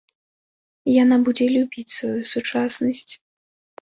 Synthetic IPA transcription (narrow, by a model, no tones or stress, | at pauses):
janabud͡zʲɛlʲubʲit͡sʲsvajusut͡ʂasnɐsʲt͡sʲ